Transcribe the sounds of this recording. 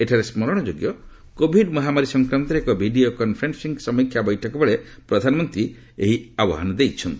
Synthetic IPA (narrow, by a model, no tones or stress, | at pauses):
eʈʰaɾesmɔɾɔɽ̃ɔd͡ʒoɡjɔ | kobʱiɖmɔɦamaɾisɔŋkɾant̪ɔɾekɔbʱiɖiokɔnpʰɾensiŋɡsɔmikʰjabɔjʈʰɔkɔbɔɭe | pɾɔd̪ʱanɔmɔnt̪ɾi | ḛɦiabɔ̰ɦa̰nɔd̪ejt͡ʃʰɔnt̪i